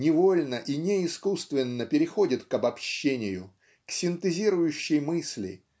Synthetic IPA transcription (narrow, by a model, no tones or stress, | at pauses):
nʲɪvo̞lʲnəʔinʲeɪskust̪vʲɪnːəpʲɪɾʲɪxo̞dʲɪt̪kɐbɐpɕːenʲɪjʊ̰ | ksʲɪnt̪ɨzʲiɾʊjʉɕːɪjmɨsʲlʲɪ̰